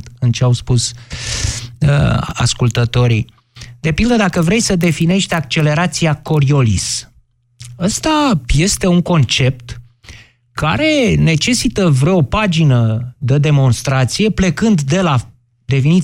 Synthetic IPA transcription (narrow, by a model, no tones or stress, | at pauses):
t̪ɨnt͡ʃeawspus | ə̰a̰skult̪ət̪o̞ɾḭ | d̪e̞pild̪əd̪akəvɾe̞jsəd̪e̞fine̞ʃt̪ak̚t͡ʃe̞le̞ɾat̪sijako̞ɾio̞lḭs | əst̪aje̞st̪e̞uŋko̞nt͡ʃe̞p̚t̪ | kaɾe̞ne̞t͡ʃe̞sit̪əvɾeopad͡ʒinəd̪əd̪e̞mo̞nst̪ɾat̪sije̞ple̞kɨnd̪d̪e̞la | d̪e̞finit̪